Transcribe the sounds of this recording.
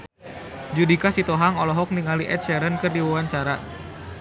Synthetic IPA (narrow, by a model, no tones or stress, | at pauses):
d͡ʒudikasit̪oɦaŋɔlɔɦɔk̚niŋaliʔɛt̪̚ʃɛɾənkɨrdiwuwaɲt͡ʃaɾa